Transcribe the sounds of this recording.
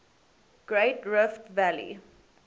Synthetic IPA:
ɡ̥ɹeːtɹɪftvælḭ

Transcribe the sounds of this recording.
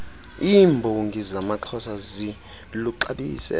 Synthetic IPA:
imbʱɔuŋɡʱizamaǁʰɔsazi | luǃaɓiːsɛ̰

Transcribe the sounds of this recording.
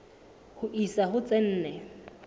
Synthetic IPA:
hʊʔisaɦʊt͡sʼɛn̩ːnɛ

